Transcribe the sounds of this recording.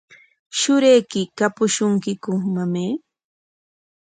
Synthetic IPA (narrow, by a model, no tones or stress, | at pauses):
ʃʊɾejkɪkapʊʃʊŋkɪkʊmameː